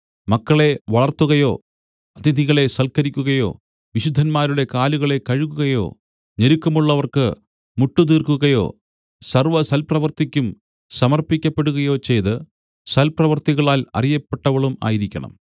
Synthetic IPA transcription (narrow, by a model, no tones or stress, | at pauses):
mɐkːɐɭe̞ʋɐɭɐrt̪ːuɣɐjo̞ː | ɐd̪id̪ʱiɣɐɭe̞sɐlkɐɾikʲːuɣɐjo̞̰ː | ʋiɕud̪ʱːɐnmaːɾuɽe̞kaːluɣɐɭe̞kɐɻuɣuɣɐjo̞̰ː | ɲeɾukːɐmuɭːɐʋɐrkɨ | muʈːut̪iːrkuɣɐjo̞̰ː | sɐrʋɐsɐlprɐʋɐrt̪ikʲːum | sɐmɐrpikʲːɐpːe̞ɽuɣɐjo̞ːt͡ɕe̞jt̪ɨ | sɐlprɐʋɐrt̪iɣɐɭaːlɐ̰rijɐpːe̞ʈːɐʋɐɭuma̰ːjiɾikʲːɐ̰ɳɐ̰m